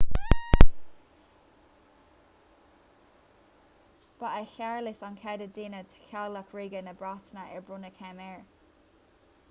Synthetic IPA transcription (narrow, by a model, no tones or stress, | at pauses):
b̥aʔəçaɹlɪsɔnkʰɛdədɪnət̪ʰkʰaləkʰɹiɡənəbɹat̪nəʔɛɹbɹʊnəkʰɛmɛɹ